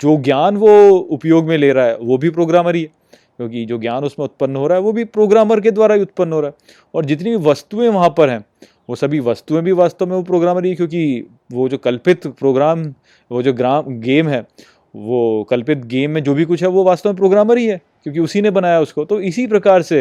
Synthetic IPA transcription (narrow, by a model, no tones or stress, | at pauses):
d͡ʒoːɡjaːnʋoʊpjoːɡmẽleːɾaaɦɛ̰ːʋobʱipɾoːɡɾaːməɾiɦɛ | kjõːkid͡ʒoːɡjaːnʊsmẽʊt̪̚pənːɦoːɾaɦɛʋobʱipɾoːɡɾaːməɾk̬ed̪ʋaːɾabiʊt̪̚pənːɦoːɾaɦɛ | ɔːɾd͡ʒɪt̪nibʱiʋɐst̪uẽʋɐɦãpɐɾɦɛ̃ː | ʋosɐbʱiʋɐst̪uẽbʱiʋaːst̪ɐmẽʋopɾoːɡɾaːməɾiɛkjõːki | ʋod͡ʒoːkɐlpɪt̪pɾoːɡɾaːm | ʋod͡ʒoːɡɾaːmɡeːmɦɛː | ʋoːkɐlpɪt̪ɡeːmːẽd͡ʒoːbʱikʊt͡ʃʰɦɛʋoʋaːst̪amẽp̬ɾoːɡɾaːməɾiɦɛkjõːk̬iʊsinebɐnaːjaʊskot̪oɪsip̬ɾɐkaːɾse